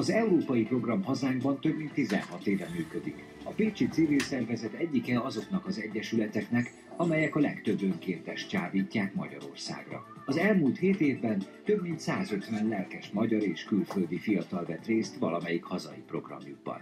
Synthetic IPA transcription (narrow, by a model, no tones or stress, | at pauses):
ɒzɛuɾoːpɒjipro̞ɡrɒmɦɒzaːŋɡbɒnt̪ø̞bmint̪ːizɛ̰nɦɒt̪eːvɛmyːkød̪ik | ɒpeːt͡ʃit̪sivilsɛrvɛzɛt̪ɛɟːikɛɒzo̞knɒkɒzɛɟːɛʃylɛt̪ɛknɛk | ɒmɛjɛkɒlɛkt̪øbøŋkeːnt̪ɛʃtt͡ʃaːviːcːaːkmɒ̰ɟɒ̰ɾo̞̰rsa̰ːɡrɒ̰ | ɒzɛlmuːlt̪heːt̪eːvbɛnt̪ø̞bmint̪saːzø̞t̪vɛnlɛlkɛʃmɒɟɒɾeːʃkylføld̪ifijɒt̪ɒlvɛt̪reːst̪vɒlɒmɛjikhɒzɒ̰jipro̞̰ɡrɒ̰mjuɡ̚bɒ̰n